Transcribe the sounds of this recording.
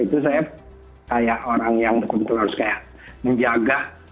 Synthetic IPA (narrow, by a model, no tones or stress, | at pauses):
it̪us̬aja | kajaʔoɾaŋjaŋd̪əkunt̪əlʊrskajaʔ | məɲd͡ʒaɡaʔ